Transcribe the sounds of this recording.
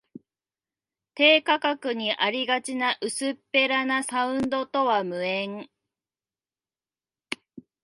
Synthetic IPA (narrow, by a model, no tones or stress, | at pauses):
t̪e̞ːkakakɯ̟ɲ̟iʔaɾʲiɡat͡ɕinaʔɯ̟sɨpːe̞ɾanasaɯ̟̃nd̪o̞t̪o̞βamɯ̟ẽ̞ŋ